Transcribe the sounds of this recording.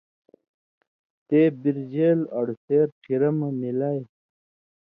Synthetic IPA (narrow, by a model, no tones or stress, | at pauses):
t̪ebiɾd͡ʑeːlɐɽuseɾʈʰiɾɐmanilaj